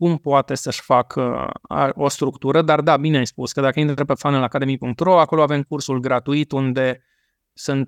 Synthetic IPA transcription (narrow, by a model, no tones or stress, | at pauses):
kumpoat̪e̞səʃfakʰa̰o̞st̪ɾukt̪uɾəd̪ard̪abineajspuskəd̪akəinɾt̪ɾepefanelaːkad̪e̞mipuŋk̚t̪ro̞ako̞loave̞mkursulɡɾat̪uit̪und̪e̞ | sunt̪̚